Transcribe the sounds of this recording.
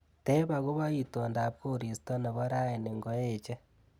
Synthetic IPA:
te˦βa˨ɣo˦βa˦i˦to˨nda˨βko˦ɾi˨si̥to˦na˨βo˦ɾa˦e˨ne˨ŋɡo˦jet͡ʃe˦

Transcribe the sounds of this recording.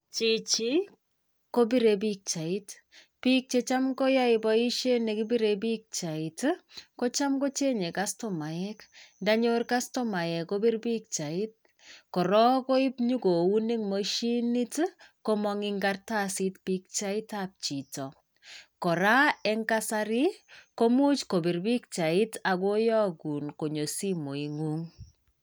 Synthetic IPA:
t͡ʃi˨t͡ʃi˦ | ko˦bi˦ɾeb̬ik̚t͡ʃa˨it | pi˦k̚t͡ʃe˧t͡ʃa˦mko˦ja˦ibɔ˦i˦ʃe˦ne˨kibi˦ɾe˨bi˦k̚t͡ʃa˨i˨tko˦t͡ʃa˦mko˦t͡ʃe˦ɲe˨kasto˦ma˨jɛknda˦ɲorka˦sto˦ma˨jɛ˨ko˦bi˦rbi˦k̚t͡ʃa˨i˦t̚ | kɔ˨ɾɔ˦ko˦i˦pɲu˦ɡo˨wu˦ni˦ŋmo˦ʃi˦ni˦tkɔ˦mɔ˦ŋɪ˦ŋɡarta˦si˦tpi˦k̚t͡ʃa˦i˦tap̚t͡ʃi˨tɔ˨ | kɔ˨ɾa˦ɛ˦ŋka˦sa˦ɾi˦ko˦mu˦t͡ʃko˨bi˨ɾbi˦k̚t͡ʃa˨ɪ˦ta˨ɡo˦jɔ˦ɡu˨nko˨ɲo˨si˦mo˨i˨ŋu˦ŋ

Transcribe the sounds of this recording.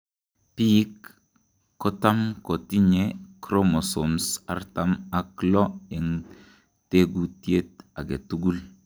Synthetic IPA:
piː˦kː | o˦ta˦mko˨ti˦ɲe˦kɾo˦mo˨so˨msa̰˦ɾta˨ma˦klɔ˦je˨ŋ | te˦ɡu˦ti˦e˦t̪̚a˨ɡḛ˨tu˦ɡu˦l

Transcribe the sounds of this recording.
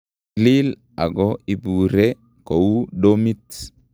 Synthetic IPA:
li˦l | a̰˨ɡɔi˨bu˨ɾe˦ | ko˨u˦domi˦t

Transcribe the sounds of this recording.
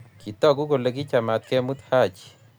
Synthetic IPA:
kʰi˨t̪ɔ˦˨ku˦ko˨le˨ki˦t͡ʃa˨ma˨t̪̚kɛ˦mu˦t̪ha˦˨t͡ʃ

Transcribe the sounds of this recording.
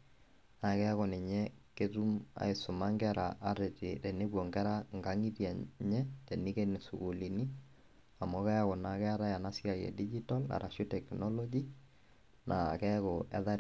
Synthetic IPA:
na˨kɛ˦a˦kɔ˨nɛ˨ɲɛ˦ke˦tu˦ma̰˨e˨sʊ˨ma˦ŋɡɛ˦ɾa˨ʔa˦ɾe˨tɪ˨ɾe˨ne˦kɔ˨ŋɡɛ˦ɾa˦ŋɡa˦ŋi˦ɾja˨ɲɛ˦tɛ˨ni˦ke˦ne˨su˨ku˨li˨ni˦ | a˨mɔ˦kɛ˦ja˦kɔ˨na˨kɛ˦a˦ɾa˦ja˨na˦si˦a˨jɛ̰˨di˦d͡ʒi˦ta˦la̰˨ɾʔa̰˨ʃo˦tɛ˨knɔ˦lɔ˦d͡ʒi˦ | nʔa̰˨kɛ˦kɔ˨ʔɛ̰˦ða˦

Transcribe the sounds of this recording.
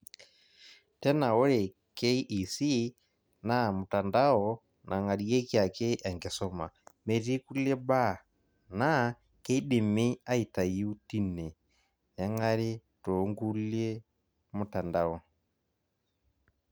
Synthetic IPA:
tɛ˦na˨wɔ˦ɾɛ˨ | kɛ˦i˦ʔi˨si˦ | na˦˨mu˨ta˨nda˦ɔ | nʔa˨ŋa˨ɾi˨jɛ˦kja˨kɛ˦ʔa˨ŋɡɛ˨sɔ˦ma̰˨mɛ˨ɾi˦ku˦lɛ˦ba˦˨ | na˦ | kɛ˦i˦ɗi˨mi˦a˦i˨ta˨ji˦u˦ti˦nɛ˨ | na˦ŋa˦ɾi˦tɔ˨˦ŋɡu˦ljɛ˦ | mu˨ta˨nda˨ɔ˨

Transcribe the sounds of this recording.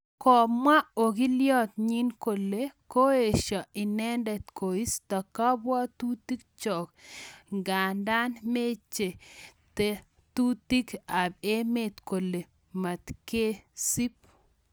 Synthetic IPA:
kɔ˨mwa˦o˨ki˦ljɔ˦t̪̚ɲi˦nko˨lːe˨˦ko˦e˨ʃa˨i˨nɛ˦ndɛ˨t̪ko˨i˦sta˨ka˦bwa˦t̪u˦ti˦kt͡ʃɔ˨kŋɡa˨nda˦nme˦t͡ʃːe˨te˦ | tu˦t̪i˦ka˨be˦me˨t̪ko˨lːe˨ | ma˨t̪ke˦si˦p̚

